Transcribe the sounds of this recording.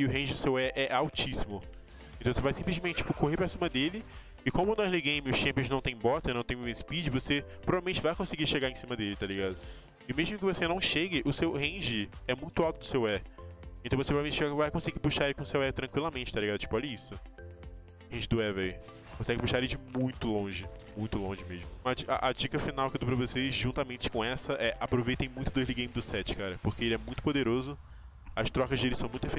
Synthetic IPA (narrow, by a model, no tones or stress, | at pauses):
ɪʊɦẽd͡ʒɪd̪ʊsewɛʔɛʔawt͡ʃisimʊ̃ | t̪ɐ̃vosevajsĩmplɪʒmẽt͡ʃɪt͡ʃi̥pʊkoɦeɾpɾɐsĩmɐd̪elɪ | ɪkõmʊnɔ̃zliɡẽj̃mɪʊʃɐ̃mpijõznɐ̃w̃t̪ẽj̃bɔt̪ɐnɐ̃w̃t̪ẽj̃mespid͡ʒɪvosepɾoɾvalmẽnt͡ʃɪvajkõsɪɡiʃeɡaɾẽsĩmɐd̪elɪt̪aliɡad̪ʊ | ɪmeʒmʊk̬ɪvosenɐ̃w̃ʃeɡɪʔʊsewhẽd͡ʒɪɛmũj̃t̪ʊawt̪ʊd̪ʊ̥sewɛẽt̪ɐ̃w̃vosepɾvemẽt͡ʃɪavajkõsiɡipuʃaɾelɪkõʊsewɛt̪ɾɐ̃ŋkwilɐmẽt͡ʃɪ̥t̪alʲiɡad̪ʊt͡ʃi̥pʊɔlʎɐisʊ | hẽd͡ʒɪd̪ʊɛvɛj | kõsɛɡɪpuʃaɾeɪd͡ʒɪmũj̃t̪ʊlõʒɪmũj̃t̪ʊlõʒɪmeʒmʊɐd͡ʒiʔa̰ʔad͡ʒikɐfinawkewd̪upɾɐvosezʒũnt̪amẽt͡ʃɪ̥kõɛsɐʔɛʔapɾovejt̪ẽj̃mũj̃t̪ʊd̪ojʒliɡẽj̃mɪd̪ʊsɛt͡ʃɪ̥kaɾɐpoχkeelɪɛmũj̃t̪ʊpod̪eɾozʊ | ɐʃt̪ɾɔkɐzd̪elɪsɐ̃w̃mũj̃t̪efe